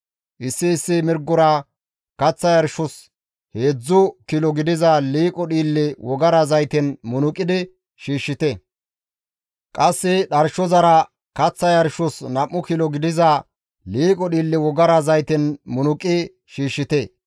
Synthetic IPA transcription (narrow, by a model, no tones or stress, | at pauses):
ʔɪsːɪːsːɪmɪɾɡʊɾɐ | kɐt͡sːɐjɐɾʃʊs | heːd͡zːʊkɪlɔɡɪd̪ɪzɐliːkʼɔɗiːlːɪwɔɡɐɾɐzɐjt̪ɛnmʊnʊkʼːɪd̪ɪ | ʃiːʃːɪt̪ɛ | kʼɐsːɪɗɐɾʃɔzɐɾɐ | kɐt͡sːɐjɐɾʃʊsnɐʔːʊkɪlɔɡɪd̪ɪzɐ | liːkʼɔɗiːlːɪwɔɡɐɾɐzɐjt̪ɛnmʊnʊkʼːɪ | ʃiːʃːɪt̪e